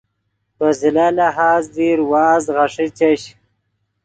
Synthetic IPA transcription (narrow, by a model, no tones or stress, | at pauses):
pəzilalaɦaːzd̪iɾwɑːzɣaʂit͡ɕaɕ